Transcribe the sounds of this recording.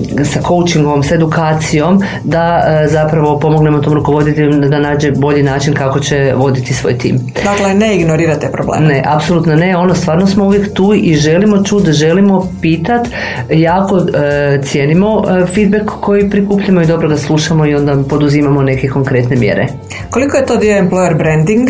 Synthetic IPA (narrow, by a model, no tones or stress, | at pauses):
sakʰo̞wt͡ʃiŋɡoomse̞d̪ukaːt̪sijo̞m | d̪azapɾaʋo̞po̞moɡne̞mot̪omɾuko̞ʋo̞d̪it̪ʲeomd̪anaːd͡ʑebo̞ʎinaːt͡ʃinkako̞t͡ɕe̞ʋo̞d̪it̪isʋo̰ːjt̪ḭːm | d̪akleneiɡnoɾiːɾat̪epɾoblḛːneʔapsolˠuːt̪none̞o̞nost̪ʋaːɾnosmouʋjekt̪uːiʒe̞limo̞t͡ʃuːd̪ʒelimo̞piːt̪at̪ | jaːko̞t̪sje̞ːnimo̞fid̪̚bekːo̞jipɾikuːpʎamoid̪o̞bɾoɡaslˠuʃamo̞io̞nd̪apo̞d̪uzimamo̞ne̞keko̞ŋkɾe̞t̪ne̞mje̞̰ɾe | kolikojet̪od̪ioemplˠojeɾbɾend̪iŋɡ